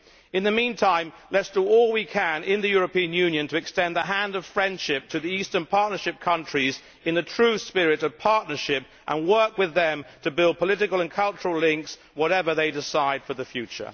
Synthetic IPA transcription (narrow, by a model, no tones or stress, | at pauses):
ɨ̃nðɨmĩntʰãɪ̃mlɛtsd̥əɔlˠwikʰɨ̃nɪ̃nðɨjʊɹɨpĩɨ̃njʉ̃njɨ̃ntʰɨɨkstɛ̃nðəɦæ̃ndʌv̥fɹɛ̃nd̥ʃɪp̚tʰɨðiistə̃˞npʰɑɹtⁿnə˞ʃɨp̚kʰʌ̃nt͡ʃɹ̥iz | ɨ̃nðɨtʰɹ̥ʉspɪɹɪɾʌv̥pʰɑɹtⁿnə˞ʃɪp | ʔə̰̃nwɜ˞kwɨðɨ̃mtʰɨbɪlˠd̚pʰəlɪɾɨkəl̩ˠə̃nkʰʌlˠt͡ʃəɹəlɪ̃ŋks | wʌɾɛvə˞ðeɪdɪsaɪd̥fə˞ðɨfjʉt͡ʃə̰˞